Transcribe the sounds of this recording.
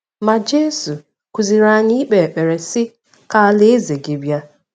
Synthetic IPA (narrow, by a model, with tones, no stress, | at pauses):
ma˨d͡ʒe˦su˨ | kʷu˨zi˨ɾa˦ɲɪ˦k͡pe˨k͡pe˨ɾe˨sɪ˦ | ka˦le˦e˦ze˨ɡi˨bja˦